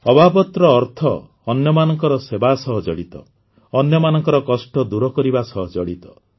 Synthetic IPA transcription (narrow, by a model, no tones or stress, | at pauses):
ɔbʱabɔt̪ɾɔːɾt̪ʰɔː | njɔmanɔŋkɔɾɔsebasɔɦɔd͡ʒɔ̰ɽit̪ɔ̰ | ɔnjɔmanɔŋkɔɾɔkɔsʈɔd̪uɾɔkɔɾibasɔɦɔd͡ʒɔɽit̪ɔ